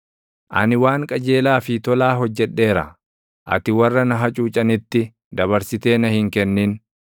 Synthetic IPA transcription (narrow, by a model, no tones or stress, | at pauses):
ʔɐ̰nɪwaːŋkʼɐd͡ʒe̞ːlaːfɪt̪ɔlaːɦɔd͡ʒːɛᶑːe̞ːɾɐ̰ | ʔɐ̰t̪ɪwɐrːɐnɐɦɐt͡ʃʼuːt͡ʃʼɐnɪt̪ːɪ | d̪ɐβɐɾsɪt̪e̞ːnɐhɪŋkɛnːiːn